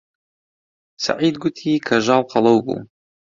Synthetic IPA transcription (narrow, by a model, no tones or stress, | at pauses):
sa̰ʕiːd̪̚ɡʊt̪ʰiːkʰaʒaːlqɑlˤɑwbṵ